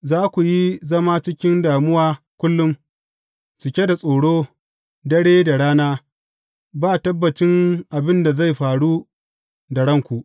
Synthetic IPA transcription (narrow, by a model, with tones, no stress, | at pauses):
zaː˦kʷu˨ji˦zɐ˦maː˦t͡ʃɪ˦kʲɪ˦ndaː˨mʊ˦waː˦ | kʷʊ˦lːʊ˦m | t͡ʃɪ˨kʲe˦da˨sʼoː˨ɽoː˦ | dɐ˦ɽeː˦da˨ɽaː˦naː˦ | baː˦˨tɐ˦bːɐ˨t͡ʃɪ˦ŋʔa˨bɪ˦nda˨za˦˨jɸaː˨ɽu˦ | da˨ɽɐ˦˨ŋkʷu˨ʔ